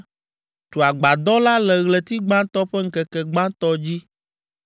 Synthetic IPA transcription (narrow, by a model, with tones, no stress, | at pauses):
t̪o˨a˨ɡ͡ba˨d̪ɔ˦la˦lɛ˨ɣlɛ˨t̪i˦ɡ͡bã˦t̪ɔ˦ɸɛ˦ŋ̩˦kɛ˨kɛ˨ɡ͡bã˦t̪ɔ˦d͡ʑi˦